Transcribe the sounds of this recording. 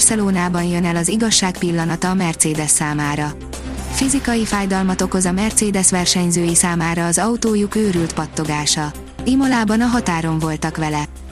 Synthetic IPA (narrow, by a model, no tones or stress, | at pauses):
rsɛloːnaːbɒnjønɛlɒziɡɒʃːaːkpilːɒnɒt̪ɒːmɛrt̪seːd̪ɛsːaːmaːɾɒ | fizikɒjifaːjd̪ɒlmɒt̪o̞ko̞zɒmɛrt̪seːd̪ɛsʋɛrʃɛɲzøːjisaːmaːɾɒːzɒut̪oːjukøːɾylt̪pɒt̪ːo̞ɡaːʃɒ | imolaːbɒnɒɦɒt̪aːɾo̞ɱvo̞lt̪ɒkʋɛlɛ